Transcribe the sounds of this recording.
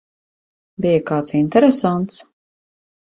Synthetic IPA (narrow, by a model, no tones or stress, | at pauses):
bijakaːt̪sint̪ɛɾɛsant̪s